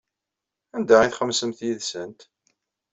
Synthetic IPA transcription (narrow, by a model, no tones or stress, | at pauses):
ænd̪æiθχəmsəmθjiðsənt̪